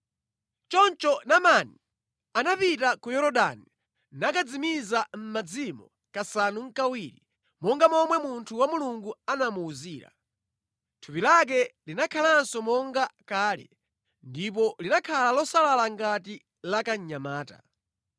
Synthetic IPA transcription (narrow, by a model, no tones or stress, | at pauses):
t͡ʃɔnt͡ʃɔnamani | anapitakujɔɾɔɗa̰ni | nakad͡zimizam̩mad͡zimɔ̰ | kasanuŋ̩kawiːɾi | mɔŋɡamɔmwɛmuntʰuwamuluŋɡuanamuːziːɾa̰ | tʰupilak̬ɛlinakʰalansɔmɔŋɡakaːlɛ̰ | ndip̬ɔlinakʰalalɔsalalaŋɡati | lakaɲamaːta̰